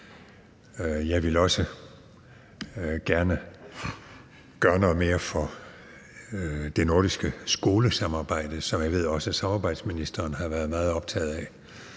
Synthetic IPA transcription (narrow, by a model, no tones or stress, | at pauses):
jɑ̈ɪʋe̝lɒ̽sə | ɡ̥æɐnə | ɡ̥ɶːɐnɔ̽ð̩ˠme̝ːɐfɒ̽ | d̥e̝no̝ɐɾisɡ̥əsɡ̥o̝ːləsɑ̈mɑ̈ːb̥ɑ̈ɪ̰d̥əsɒ̽mjɑ̈ɪe̝ð̞̰ˠɒ̽səsɑ̈mɑːb̥ɑ̈ɪd̥sminisd̥ɐːnɦɑ̈ʋæːɐð̞̩ˠmɑ̈ːð̞̩ˠɒ̽b̥̚t͡sʰɛ̰ːð̞̩ˠæ